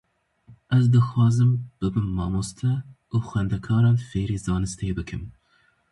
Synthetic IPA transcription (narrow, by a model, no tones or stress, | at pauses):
ʔɛzd̪ɨxwɑːzɨmb̥ɨbɨnːɑːmost̪ʰɛ | uːxwɛnd̪ɛkʰɑːɾɑːnfeːɾeːzɑːnɨst̪ʰebɨkʰɨm